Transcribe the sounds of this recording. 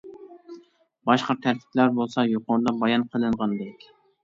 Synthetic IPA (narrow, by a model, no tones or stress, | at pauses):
bɑʃqɑt̪ʰæɾt̪ʰi̥plæɾbolˠsɑjoqoɾd̪ɑbɑjɑnqʰəlˠɨɴʁɑnd̪ɛkʲ